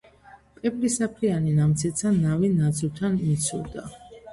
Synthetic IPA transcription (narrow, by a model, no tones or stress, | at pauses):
pʼɛblisapʰɾianinamt̪sʰɛt̪sʰanavinad̪zult̪ʰanmit̪sʰṵld̪a